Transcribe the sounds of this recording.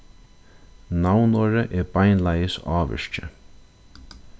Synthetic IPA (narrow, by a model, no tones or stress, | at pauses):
nawnɔɾəʔɛbajnlajəsɑːʋə̰ʃt͡ʃə̰